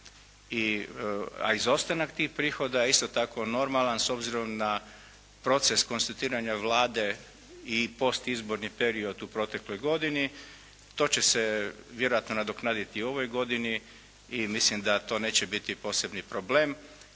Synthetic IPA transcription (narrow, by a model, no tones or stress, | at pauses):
i | a̰izo̞st̪anakt̪iːxpɾiːxo̞d̪aist̪o̞t̪ako̞no̞ɾmalanso̞bziɾo̞mna | pɾo̞t̪se̞sko̞nst̪at̪iːɾaɲaʋlaːd̪e̞ | ipo̞st̪izbo̞ɾnipe̞ɾio̞d̪upɾo̞t̪e̞klo̞jɡo̞d̪ini | t̪o̞ːt͡ɕeseʋje̞ɾo̞at̪no̞nad̪oknaːd̪it̪io̞ʋo̞jɡo̞d̪ini | imislimd̪at̪o̞ːne̞ːt͡ɕebit̪ipo̞ːse̞bnipɾo̞ble̞ːm